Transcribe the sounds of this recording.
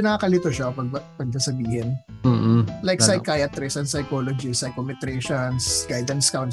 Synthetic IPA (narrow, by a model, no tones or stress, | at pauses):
pɪnaɐkɐlɪt̪oʃɐpɐɡ̚pɐɡ̚dɐsɐbiːhɪnː | lajksɐjkajɐt̪ɾɪsɐnsɐjkolod͡ʒɪsɐjkomɪt̪ɾɛʃonsɡ̥ajd̪ɐnskawn